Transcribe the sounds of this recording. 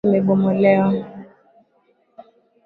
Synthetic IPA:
meɓomolɛɔ

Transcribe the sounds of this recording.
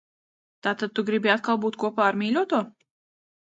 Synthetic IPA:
t̪aːt̪ad̪̚t̪uɡɾibiat̪kalˠbuːt̪kuɔpaːaɾmʲiːlʲuɔt̪uɔ

